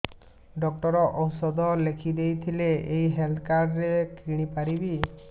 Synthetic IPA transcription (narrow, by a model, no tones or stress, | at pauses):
ɖɔk̚ʈɔɾɔʔɔwsɔd̪ɔlekʰid̪ejt̪ʰileejɦelt̪ʰkaɾɾekiɽ̃ipaɾibi